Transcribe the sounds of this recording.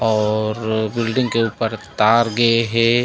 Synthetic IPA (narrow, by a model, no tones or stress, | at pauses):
ɔːɾbɪlɖɪ̃ŋɡkeuːpəɾt̪aːɾɡɐeɦɛː